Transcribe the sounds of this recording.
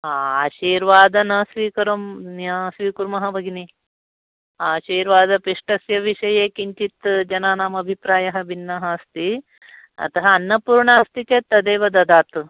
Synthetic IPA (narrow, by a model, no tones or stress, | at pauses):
aːɕiːɾʋaːd̪ɐnɐsʋiːkɐɾɐmnɐsʋiːkuɾmɐɦɐbʱɐɡini | aːɕiːɾʋaːd̪ɐpiʂʈɐsjɐʋiʂɐjeːkiɲt͡ʃit̪d͡ʒɐnaːnaːmɐbʱipɾaːjɐɦɐ̆ʋinːɐɦɐːst̪i | ɐ̰t̪ɐɦɐɐnːɐpuːɾɳaːst̪ikeːt̪ɐd̪eːʋɐd̪ɐd̪aːt̪